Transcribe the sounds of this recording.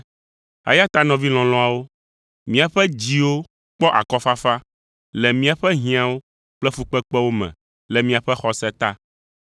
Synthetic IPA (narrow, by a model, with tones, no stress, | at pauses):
a̰˨ja˦t̪a˦nɔ̃˨vi˦l̃ɔ̃˨lɔ̃˦a˨wo˦ | mĩ˦a˨ɸɛ˦d͡ʑi˨wo˦ | k͡pɔ˦ʔa̰˨kɔ˦fa˦fa˦ | lɛ˨mĩ˦a˨ɸɛ˦ɦĩ˦a˦wo˦ | k͡plɛ˦fu˨˦k͡pɛ˦k͡pɛ˦wo˦mɛ̰̃˨ | lɛ˨mĩ˦a˨ɸɛ˦xɔ˨sɛ˦t̪a˦